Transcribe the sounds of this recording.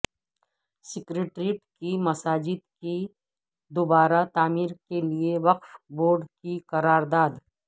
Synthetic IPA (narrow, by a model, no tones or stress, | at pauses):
sɪkɾeːʈɾiʈkimɐsaːd͡ʒɪd̪̚ki | d̪obaːɾat̪aːmiːɾkelieʋɐqfboːɾɖkiqɐɾaːɾd̪aːd̪